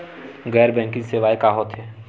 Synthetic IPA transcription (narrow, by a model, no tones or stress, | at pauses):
ɣɛːɾbɛ̃ŋkɪ̃ŋseːʋaːikaːɦoːt̪ɦɛː